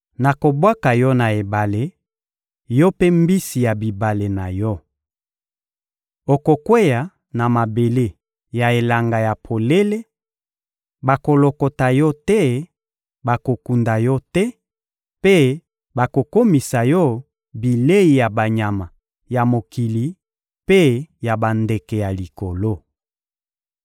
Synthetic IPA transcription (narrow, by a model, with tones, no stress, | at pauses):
na˨ko˨bwa˦ka˨jɔ˦na˨e˨ba˨le˨ | jɔ˦pe˦mbi˦si˨ja˨bi˨ba˨le˨na˨jɔ˦ | o˨ko˨kwe˦ja˨ | na˨ma˨be˨le˦ | ja˨e˨la˨ŋɡa˨ja˨pʰo˨le˦le˦ | ba˨ko˨lo˨ko˨ta˨jɔ˦tɛ˦ | ba˨ko˨ku˨nda˨jɔ˦tɛ˦ | pe˦ | ba˨ko˨ko˦mi˨sa˨jɔ˦ | bi˨le˦i˨ja˨ba˨ɲa˨ma˨ | ja˨mo˨ki˨li˨ | pe˦ja˨ba˨nde˨kɛ˨ja˨li˨ko˨lo˦